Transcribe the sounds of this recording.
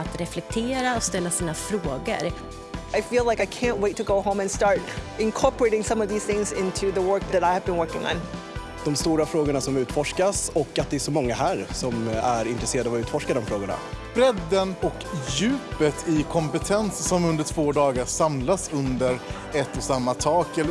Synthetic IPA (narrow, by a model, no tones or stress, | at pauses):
at̪ɾɛflɛk̚t̪ʰeːɾaɔst̪ɛlːasiːnafɾoːɡə̰ɾ | aɪfiːlaɪkaɪkʰæ̃nʔweɪtʰːəɡoʊɦõʊ̃mɨ̃nstɑɹɾɪ̃nkʰɔɹpə˞eɪɾɪ̃ŋsʌ̃mʌvðiz̥θɪ̃ŋzɪ̃ntʰʉðəwɜ˞k̚ðɨɾaɪəvbɨ̃nwɜ˞kɪ̃ŋə̰̃n | d̪̥ɔmst̪uːɾafɾoːɡʊɳasɔmʉ̟ːt̪fɔʂkasɔkːat̪̚d̪ɛːsɔmɔŋːaɦæːɾsɔmæɾɪnt̪ɾɛseːɾad̪avʉ̟ːt̪fɔʂkad̪ɔmfɾoːɡəɳa̰b̥ɾɛd̪ːənɔkjʉ̟ːpət̪ʰɪkʰɔmpət̪ʰɛnssɔmɵnd̪əʈʰv̥oːd̪ɑːɡasamlasɵnd̪əɾ | ɛt̪ːɔsamːat̪ʰɑːkɛlː